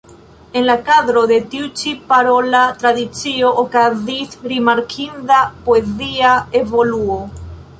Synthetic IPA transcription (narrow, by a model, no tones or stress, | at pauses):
enlakaðɾoðet̪iut͡ʃipaɾolat̪ɾaðit͡sioʔokaziθɾimaɾkʰind̪apoeziaeβoluo